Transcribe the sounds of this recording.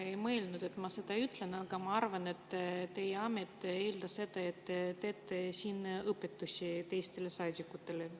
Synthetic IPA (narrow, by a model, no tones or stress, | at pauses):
ejmɤelnud̪̥e̞t̪mɑse̞d̪̥ɑyt̪ːˑle̞nɑɡ̥ɑmɑɑrvɑne̞t̪ːt̪ːe̞jeɑme̞t̪ːe̞ːld̪̥ɑse̞d̪̥ɑe̞t̪ːeːt̪ːesiːnɤpːe̞t̪ːusʲit̪e̞jst̪e̞le̞sɑːd̪̥ʲikːˑut̪ːe̞le